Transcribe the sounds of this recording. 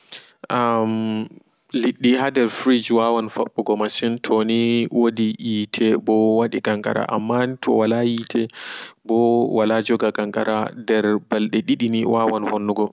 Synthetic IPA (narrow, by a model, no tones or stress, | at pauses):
ʔam | liɗːihadɛɾfɾid͡ʒwawanfɔɓːɔɡɔmaʃintʰɔniwodijitʰɛbɔwaɗiɡaŋɡa̰ɾa̰ʔa̰mːantʰɔ̰walajitʰɛbɔwalad͡ʒɔɡaɡaŋɡaɾadɛɾbalɗɛɗiɗiniwawanhonːuɡɔ